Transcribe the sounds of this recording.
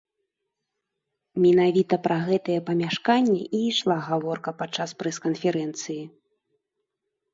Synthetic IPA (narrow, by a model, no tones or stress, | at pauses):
mʲinavʲit̪ɐpɾɐɣɛt̪ɐjɛpɐmʲaʂkanʲːɛʔiːʂlˠaɣavɔrkɐpatt͡ʂːaspɾɛskɐnfʲɛɾɛnt̪sɨji